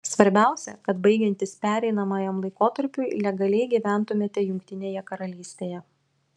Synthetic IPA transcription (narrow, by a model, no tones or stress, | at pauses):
sʋɐɾʲbʲæˑʊsʲɛkɐt̪bɐɪɡʲɛnʲt̪ʲɪspʲæːɾʲɛɪnɐmɑːjɛmlˠɐɪkoːt̪ɐɾʲpʲʊɪlʲɛɡɐlʲɛɪɡʲiʋʲæˑnt̪ʊmʲeːt̪ʲɛjʊŋʲkt̪ʲɪnʲeːjɛkɐɾɐlʲiːsʲt̪ʲeːjɛ